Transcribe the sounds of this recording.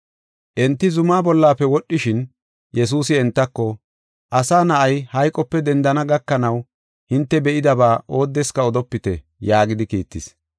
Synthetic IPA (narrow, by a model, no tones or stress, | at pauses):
ʔɛnt̪ːɪzʊmaːbɔlːaːpːɛwɔɗːɪʃɪn | jɛs̬uːsɪɛnt̪ːɐkːɔ | ʔɐsaːnɐʔɐjhɐjkʼːɔpːɛd̪ɛnd̪ɐnɐɡɐkːɐnɐw | hɪnt̪ːɛbɛʔɪd̪ɐbaːʔo̞ːd̪ːɛskɐɔd̪ɔpːɪt̪ɛ | jaːɡɪd̪ɪkḭːt̪ːɪs